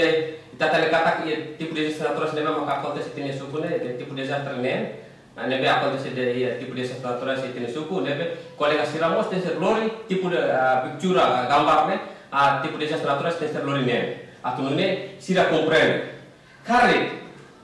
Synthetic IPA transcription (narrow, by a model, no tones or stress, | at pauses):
ɛit̪at̪anɛkat̪akijet̪ipudɛzast̪nat̪uɾasnɛmamakakɔlt̪ɛsit̪inɛsukunɛt̪ipudɛzast̪ɛrnɛn | nɛbɛakɔlt̪ɛsɛdɛat̪ipudɛsast̪ɾat̪uɾaset̪iŋɛsukunɛbɛkɔlɛŋasiɾamɔst̪ɛsɛrlɔɾit̪ipudɛpik̚t͡ʃuɾaɡambarnɛat̪ipudɛzast̪ɛnat̪uɾast̪ɛsɛrlɔɾinɛnat̪umnɛsiɾakɔmpɾɛn | kaɾi